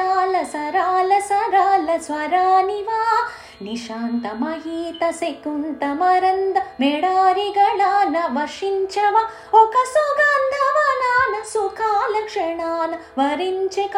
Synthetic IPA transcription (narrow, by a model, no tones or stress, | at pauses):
aːlɐsɐɾaːlɐsɐɾaːlɐsʋɐɾaːniʋaː | niʃaːnt̪ɐmɐɦiːt̪ɐsekunt̪ɐmɐɾɐnd̪ɐmeɽaːɾiɡɐɽaːnɐʋɐʂiɲt͡ʃɐʋa | okɐsuɡaːnd̪ʱɐʋalaːnɐsukʰaːlɐkʂɐɳaːnɐ | ʋɐɾiɲt͡ʃek